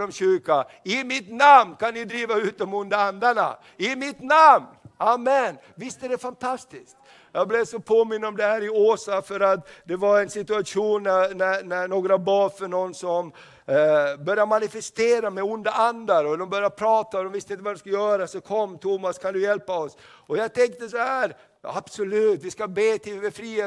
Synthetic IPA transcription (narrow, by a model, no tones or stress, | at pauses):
ɔmɕʏɾka | ɪmɪt̪namnkʰanːɪd̪ɾiːvaʉ̟ːt̪ɔmʊnd̪aand̪aɳa̰ | ɪmɪt̪namnamɛn | vɪst̪əd̪ɛfant̪ʰast̪ɪskt̪ | jɑːɡ̚blevsɔpʰoːmɪnːəɔmd̪ɛhæːɾɪoːsafœɾat̪d̪ɛvaɾɛnsɪt̪ɵaʂuːnːænænæɳoːɡɾabɑːɾfœɳɔnːsɔm | bœɾjamanɪfɛst̪eːɾamɛʊnd̪aʔand̪aɾɔd̪ɔmbœɾjapʰɾɑːt̪aɔd̪ɔmvɪst̪əɪnt̪əvad̪ɛskaljœːɾasɔkʰɔmːt̪ʰumaskʰand̪ɵjɛlpaɔs | ɔjɑɡt̪ʰɛŋk̚t̪əsɔhæːɾ | jab̥sɔlʉːt̪ʋɪskabeːt̪ʰɪlbɛfɾiː